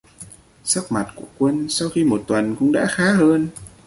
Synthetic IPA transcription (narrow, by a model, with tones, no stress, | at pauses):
sə˦˥k̚ma˨˩t̚ku˧˩əkwə˧nsa˧wxi˧mo˨˩t̚t̪wə˨˩nkʊ̰˧˥ŋ͡mɗa̰ː˧˥xaː˨˦ɦəː˧n